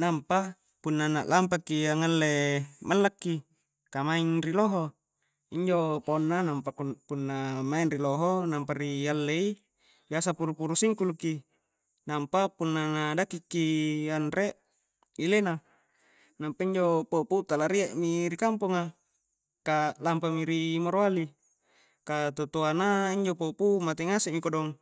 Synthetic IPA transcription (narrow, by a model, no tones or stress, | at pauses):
nampa | punːana̰ʔlampakːiaŋalːemalːakːi | kamaiŋriloɦo | iɲd͡ʒoponːanampakupunːamainriloɦonampaɾialːei | biasapuɾupuɾusiŋkuluki | nampapunːanadakikːianɾeʔ | ilena | nampaiɲd͡ʒopoput̪alaɾieʔmiɾikampuŋa | kalampamiɾimoɾoali | kat̪ot̪oanaiɲd͡ʒopopumat̪eŋaseʔmikodɔŋ